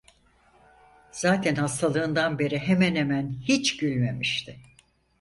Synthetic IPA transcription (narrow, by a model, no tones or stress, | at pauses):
z̥aːt̪ʰɛnhast̪ʰalˠɯːnd̪anbe̞ɾiɦemænhemænhit͡ʃɟylʲme̞miʃt̪ʰɪ